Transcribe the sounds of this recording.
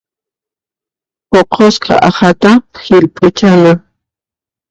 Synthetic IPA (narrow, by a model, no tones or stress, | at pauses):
poqʰosqɑ̰ʔɑhat̪axɪlpʼʊt͡ʃama